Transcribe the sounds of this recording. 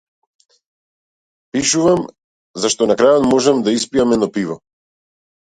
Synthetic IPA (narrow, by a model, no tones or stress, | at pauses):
piʃuvam | zaʃt̪ɔnakɾajɔt̪mɔʒɛmd̪aispiamɛd̪nɔpivɔ